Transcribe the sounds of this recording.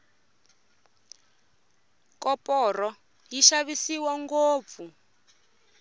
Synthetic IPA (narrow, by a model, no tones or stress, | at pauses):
kɔpɔrɔ | jiʃaβisiwaŋɡoːp̪fu